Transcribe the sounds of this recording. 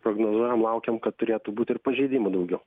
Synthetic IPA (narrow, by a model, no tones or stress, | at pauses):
pɾoːɡnoːzuɔjɛmlˠɐʊkʲɛmkɐt̪̚t̪ːʊɾʲeːt̪ubuːt̪ʲɪɾpɐʒʲɛɪd̪ʲiːmud̪ɐʊɡʲɛʊ